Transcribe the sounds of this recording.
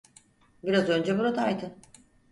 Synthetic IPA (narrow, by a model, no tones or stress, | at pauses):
biɾazø̞nd͡ʒɛbuɾat̪ʰajt̪ʰɯn